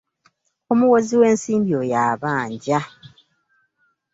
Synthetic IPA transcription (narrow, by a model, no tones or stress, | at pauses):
omuwoziwe̞ːnsiːmbjojaːβaːɲɟa